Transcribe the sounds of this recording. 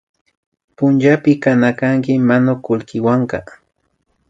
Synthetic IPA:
pʊnt͡ʃapɪkanakaŋkɪmanʊkʊlkɪwaɴkɑ̰

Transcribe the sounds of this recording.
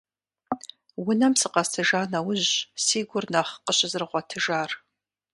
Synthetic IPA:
wʊnɐmsɨqɐstʰɨʒaːnɐwʊʑsiːɡʷʊrnaχqəɕʼɪzrɨʁʷɔtʰɨʒaːr

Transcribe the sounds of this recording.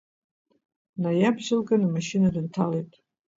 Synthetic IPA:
najabʒɪlɡanamaʃinadɨntʰalejtʼ

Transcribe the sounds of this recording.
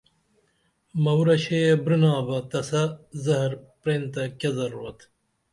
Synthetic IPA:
mɐwɾɐɕejebɾinaːbɐt̪ɐsɐzɐɦɐɾpɾeːnt̪ɐkɐzɐɾoːt̪ʰ

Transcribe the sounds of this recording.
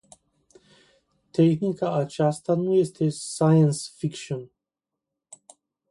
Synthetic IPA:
t̪exnikaat͡ʃast̪anujest̪ʰesajənsfikʃon

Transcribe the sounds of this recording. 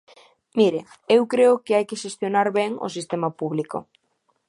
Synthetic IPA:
miɾɪ | ewkɾeʊkɪajkɪʃest̪jonaɾβɛŋo̰sist̪emapuβliko̰

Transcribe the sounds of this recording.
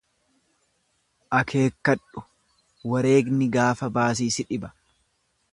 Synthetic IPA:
ʔɐkʰe̞ːkːɐᶑʊ̥ | wɐɾe̞ːɡnɪɡaːfɐbaːs̬iːsɪᶑɪbɐ̥

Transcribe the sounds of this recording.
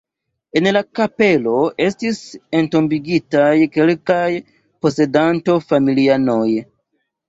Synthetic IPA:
e̞nlakape̞lo̞ʔe̞stisento̞mbiɡitajke̞lkaj | po̞se̞danto̞familianoj

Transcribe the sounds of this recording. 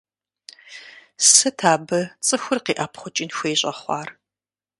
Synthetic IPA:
sɨtʰaːbɐt͡sʼɨxʷʊrqiːʔaːpʰχʷʊt͡ʃʼɪnxʷeːɕʼɐ̰χʷɑ̰ːr

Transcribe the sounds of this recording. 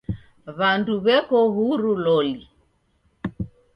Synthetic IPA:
βanduβɛkɔɦuɾulɔli

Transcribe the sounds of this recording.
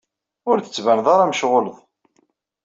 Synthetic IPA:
ʊɾθə̥t͡sːvænðˤɑɾˤɑməʃʁoləðˤ

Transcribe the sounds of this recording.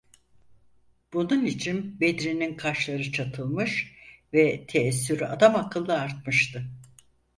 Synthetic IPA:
b̥ununit͡ʃʰinbed̪ɾininkʰaʃlˠaɾɯt͡ʃʰat̪ʰɯlˠmɯʃvɛt̪ʰeːsːyɾyad̪amakʰɯlˠːɯaɾt̪̚mɯʃt̪ʰɯ

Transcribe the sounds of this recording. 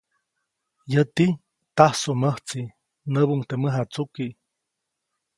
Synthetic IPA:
jət̪i | t̪ahsoməht͡si | nəβuŋt̪eməɦat͡suki

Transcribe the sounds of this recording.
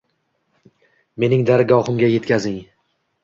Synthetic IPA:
me̞nɪŋd̪aɾɡɒhɨmɡʲaje̞t̪kʲazɪŋ

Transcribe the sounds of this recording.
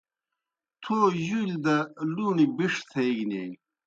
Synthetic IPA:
t̪ʰoːjuld̪ɐluːɳibiʂt̪ʰɐjɡne

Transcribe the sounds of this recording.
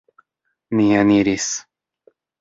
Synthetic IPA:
nijaniɾis

